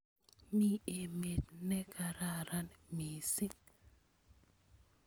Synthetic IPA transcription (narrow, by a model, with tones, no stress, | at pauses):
mi˦e˨me˨t̪nɛ˦kʰa˨ɾa˨ɾa˦nmi˨si˦